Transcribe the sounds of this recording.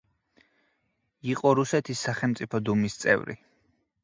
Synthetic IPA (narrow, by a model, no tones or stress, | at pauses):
iqʼɔɾusɛt̪ʰisːaχɛlˠmt̪sʼipʰɔd̪umist̪sʼɛ̰vɾḭ